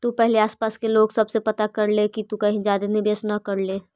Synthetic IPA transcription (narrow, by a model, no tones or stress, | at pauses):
t̪upɛɦleaːspaːskeloːɡsɐbsepɐt̪akɐɾlekit̪ukɐɦĩd͡ʒaːd̪enɪbjəsnɐkɐɾle